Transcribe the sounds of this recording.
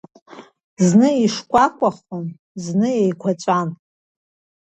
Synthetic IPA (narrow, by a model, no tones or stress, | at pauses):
znɨiʂkʷʼakʷʼaχon | znɨejkʷʰat͡ʃʷʼan